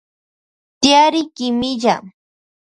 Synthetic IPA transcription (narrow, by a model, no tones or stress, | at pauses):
t̪jaɾɪkɪmɪʎa